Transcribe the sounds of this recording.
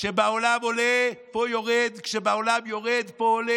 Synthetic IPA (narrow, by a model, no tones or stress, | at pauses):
ʃebaolamo̞lepo̞jo̞ʁed̪kʃebaolamjo̞ʁed̪pole